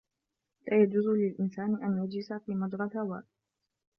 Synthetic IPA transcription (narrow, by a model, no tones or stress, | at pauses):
laːjad͡ʒuːzʊlɪlʔɪnsaːnɪʔanjad͡ʒlɪsafiːmad̪ɾˤɑlhawaː